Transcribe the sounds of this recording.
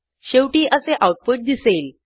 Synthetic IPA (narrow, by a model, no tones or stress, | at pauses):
ɕewʈiːʔəseʔawʈ̚puʈ̚d̪isel